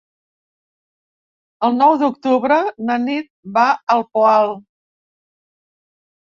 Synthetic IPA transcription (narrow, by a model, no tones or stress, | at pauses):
əlˠnɔwd̪ukt̪uβɾənənit̪̚baəlˠpoalˠ